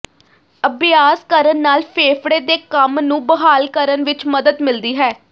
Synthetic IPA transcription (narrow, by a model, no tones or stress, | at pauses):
əbɪjaːskəɾənːaːlpʰeːfʰɽeːd̪eːkəmnũːbəɦaːlkəɾənʋɪt͡ʃməd̪əd̪mɪld̪iːɦɛː